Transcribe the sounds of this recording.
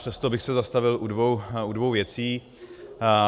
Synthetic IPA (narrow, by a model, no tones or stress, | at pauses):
r̥ɛst̪obɪxsɛzast̪avɪlʔudvowudvo̞wvjɛt͡siː